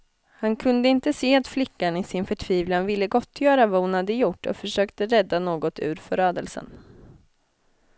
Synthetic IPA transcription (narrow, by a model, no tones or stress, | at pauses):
hankʰɵnd̪əɪnt̪əseːat̪flɪkːaɳɪsɪnfœʈʰviːvlanvɪlːəɡɔt̪ʰːjœːɾavahʊnhad̪ːəjʊʈːɔ̰fœʂøːkt̪əɾɛd̪ːanoːɡɔt̪ʉ̟̰ːɾfœɾøːd̪əlsə̰n